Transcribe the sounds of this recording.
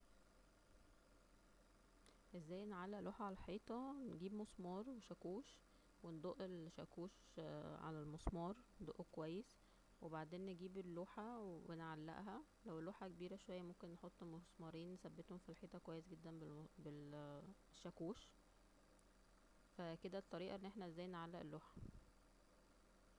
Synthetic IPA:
ʔezːæːjːnʕalːæʔlʔoːħaʕalælħeːt̪ˤɑnɡiːbmosˤmɑːɾˤweʃækuːʃ | wend̪ˤoʔelʃækuːʃ | ʕa̰lælmosˤmɑːɾˤd̪ˤoʔkowæjːes | webaʕd̪eːnːeɡiːbelːoːħæwebenʕalːæ̰ʔɦæ | læwelːoːħækebiːɾæʃowæjːæmomkenːħot̪ˤːmosˤmɑɾˤiːnːesæbːet̪homfilħeːt̪ˤɑkowæjːesɡed̪ːænbebel | ʃːækuːʃ | fæked̪æt̪ˤːɑɾiːʔɑʔenːʔeħnæezːæːjnʕalːæʔḛlːoːħḁ

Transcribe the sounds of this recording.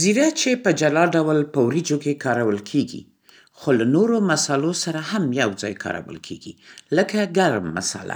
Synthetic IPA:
ziɾat͡ʃepəd͡ʒalɑɖawlpəwɾid͡ʒokekɑɾawəlkʰeɡḭ | xolanoɾomasalosaɾahamjawd͡zɑ̰jkʰɑ̰ɾa̰wə̰lkʰḛɡḭləkaɡaɾmːa̰sa̰la̰

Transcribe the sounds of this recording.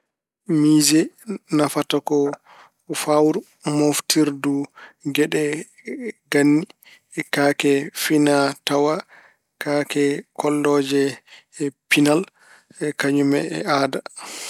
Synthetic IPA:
miːzɛnafatakɔ | fawɾu | moftiɾduɡɛɗɛ | ɡanːi | kakɛfinatawa | kakɛkɔlːɔd͡ʒɛ | pinal | kaɲumɛ̰ɛ̰aːda

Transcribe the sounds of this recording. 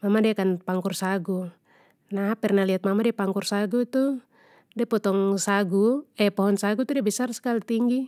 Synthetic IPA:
mamadɛkanpaŋkursaɡu | naɦapɛrnaliat̪̚mamadɛapaŋkursaɡut̪u | dɛpɔt̪ɔŋsaɡuɛpɔɦɔnsaɡut̪udɛbɛsarsə̥kalit̪iŋɡi

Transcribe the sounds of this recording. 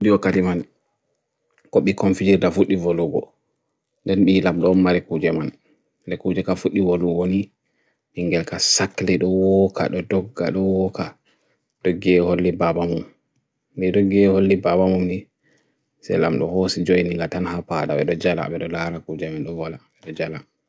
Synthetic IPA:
diwakːatiman | kɔɓikonfid͡ʒiɾdafuɗːivoluɡɔ̰ | ndɛnɓilamɗɔːmːaɾɛkud͡ʒɛman | dɛkud͡ʒɛkafuɗːivoluwoni | ɓiŋɡɛlkasakːlɛɗɔwɔkʰa̰ɗɔdɔɡːa̰ɗɔwɔka | ɗɔɡɛholːibabamum | niɗɔɡɛholːibabamumni | sɛ̰lamɗɔhosid͡ʒojniŋɡatanhapadaɓɛɗɔd͡ʒala̰ɓɛɗɔlaɾakud͡ʒɛmanɗɔwɔlaɓɛɗɔd͡ʒala

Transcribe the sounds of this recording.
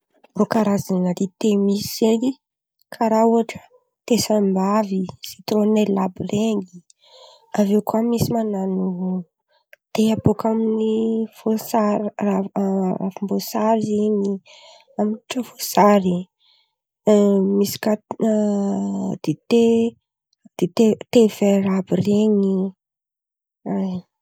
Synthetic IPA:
rokaɾazanəd̪it̪emiseni | kʰaɾauaʈ͡ʂə̥ | t̪esambavisit̪ɾonellabireŋi | avewkamisimananu | d̪̥eapokaminifosaɾraɾa̰fimbosaɾiiɲi | amiʈ͡ʂəvosaɾi | misi̥ka | d̪̥et̪e | d̪̥et̪et̪everabireɲi | a

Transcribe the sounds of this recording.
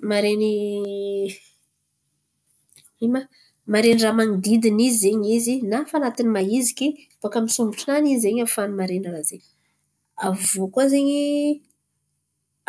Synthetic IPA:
maɾeni | ima | maɾeniramaŋid̪id̪inizzeɲizinafanat̪inimaiziki | vokamisumbiʈ͡ʂinanizeɲafanumaɾenrazeɲ | avokuazeɲi

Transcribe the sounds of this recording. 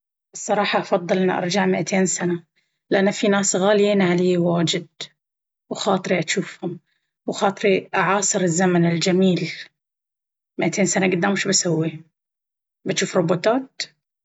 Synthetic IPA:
ʔɨsˤːɑɾˤɑːħɑʔɑfɑðˤːɨlʔɪnːiʔɑ̰ɾˤd͡ʒaʕmɪʔat̪ʰeːnsana | lɪʔanːafinaːsɣaːljiːnʕaleːwaːd͡ʒɪd̪̚ | wxɑːt̪ˤɨɾiʔaʃuːfhʊm | wxɑːt̪ˤɨɾiʔaʕɑːsˤɨɾɪzːamanɪld͡ʒamiːl | mɪʔat̪ʰeːnsanaɡad̪ːaːmʊʃbasawːi | bɪt̪ʃuːfɾˤʊbuːt̪ɑːt̪̚

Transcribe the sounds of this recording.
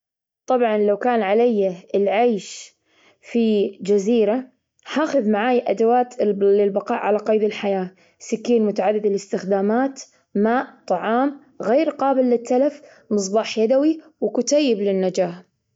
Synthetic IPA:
t̪ˤɑbʕɑnlawkaːnʕalajːaɪlʕaːʃ | fid͡ʒaziːɾa | haːxʊðmaʕaːjʔad̪awaːt̪ɪlbɑqɑːʔʕalaqɑjd̪ɪlħajaː | sɪkːiːnmʊt̪aʕad̪ːɪd̪alɪst̪ɪxd̪aːmaːt̪ | maːʔt̪ˤɑʕɑːm | ɣeːɾqɑːbɪlːɪt̪ʰːalaf | mɨs̬ˤbɑːħjad̪awi | wɪkʊt̪ajːɪblɪnːad͡ʒaːħ

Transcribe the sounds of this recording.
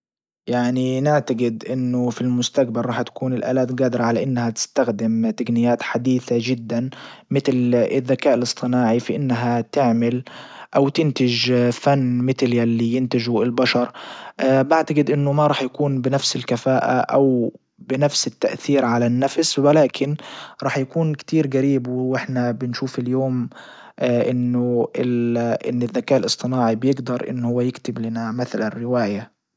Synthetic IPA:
jaʕninɪʕt̪aɡɪd̪ʔɪnːʊfilmʊst̪akbaɾˤɾˤɑːħt̪ḁkuːnɪlʔa̰ːlaːt̪ɡaːd̪ɪɾɑʕalaʔɪnːhat̪ɪ̥st̪axd̪ɪmt̪aɡnɪjːaːt̪ħad̪iːθaʒɪd̪ːanmɪt̪lɪðːakaːʔɪlɨsˤt̪ˤɨnɑːʕifiʔɪnːɦat̪ɪʕmɪlʔawt̪ɪnt̪ɪʒfanːmɪt̪ljalːijɪnt̪ɪʒʊɪlbaʃɑɾˤ | baʕt̪aɡɪd̪ʔɪnːʊmaɾˤɑːħjakuːnbɪnafsɪlkafaːʔa̰ʔaw | bɪnafsɪt̪ːaʔθiːɾʕalanːafswalaːkʰɪnɾˤɑːħjakuːnkt̪iːɾɡaɾiːbwɪʔɪħnabɪnʃuːfɪljoːm | ʔʔɪnːʊɪlʔɪ̰nːɪðːakaːʔɪlɨsˤt̪ˤɨnɑːʕibjɪɡd̪ɑɾˤʔɪ̰nːhʊwːajɪkt̪ɪblɪnamɪθlarːɪwaːja

